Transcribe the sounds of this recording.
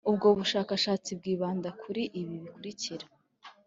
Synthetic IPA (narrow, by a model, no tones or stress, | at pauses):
ubɡo̞ːβuʃaːkaʃaːt͡sib̚ɡiːβaːndakʰuɾiʔiβiβikuɾiciɾa